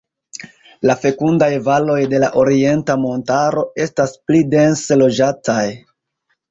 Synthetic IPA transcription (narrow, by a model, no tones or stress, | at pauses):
lafe̞kundajvalo̞jde̞laʔo̞ɾie̞ntamo̞ntaɾo̞e̞stasplide̞nselo̞d͡ʒataj